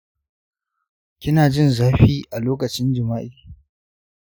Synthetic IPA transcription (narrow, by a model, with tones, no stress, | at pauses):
kʲɪ˦naː˨d͡ʒɪ˦˨nzaː˦ɸiː˦ʔa˨loː˦kɐ˨t͡ʃɪ˦nd͡ʒɪ˨maː˦ʔi˦˨˦